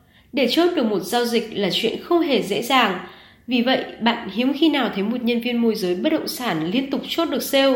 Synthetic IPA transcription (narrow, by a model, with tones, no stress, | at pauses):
ɗe˧˩t͡ɕo˦˥t̚ɗɨ˨˩ək̚mo˨˩t̚z̥aː˧wzï˨˩k̟̚laː˨˩t͡ɕwḭ˧˨ənxə˧wŋ͡mɦe˧˩zḛ˧˥zaː˨˩ŋ | vi˨˩və̰˧˨jʔɓa̰ː˧˨nhi˨˦əwmxi˧naː˨˩wt̪ʰə˨˦jmo˨˩t̚ɲə˧nvi˧ənmo˧jzəː˨˦jɓə˦˥t̚ɗə̰˧˨wŋ͡msaː˧˩nli˧ənt̪ʊ˨˩k͡p̚t͡ɕo˦˥t̚ɗɨ˨˩ək̚se˧w